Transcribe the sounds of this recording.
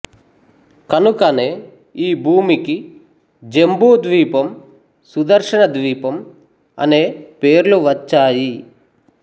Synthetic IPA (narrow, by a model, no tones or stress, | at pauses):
kɐnukɐne̞ː | iːbʱuːmiki | d͡ʒe̞mbuːd̪ʋiːpɐm | sud̪ɐɾʂɐɳɐd̪ʋiːpɐm | ɐ̰ne̞ːpe̞ːɾluʋɐt͡ʃːaːji